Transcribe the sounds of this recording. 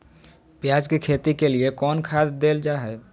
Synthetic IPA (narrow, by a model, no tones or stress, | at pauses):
pjad͡ʒkekʰet̪ikeliekɔnkʰad̪d̪eld͡ʒaɦɛ